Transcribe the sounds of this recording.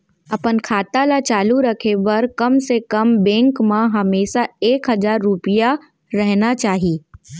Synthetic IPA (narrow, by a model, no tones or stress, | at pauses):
ɐpənkʰaːt̪alat͡ʃaːluɾɐkʰeʋɐɾkɐmsekɐmbɛ̃ːŋkmãɦɐmeːʃaeːkɦɐzaːɾːʊpija | ɾɛɦnat͡ʃaːɦiː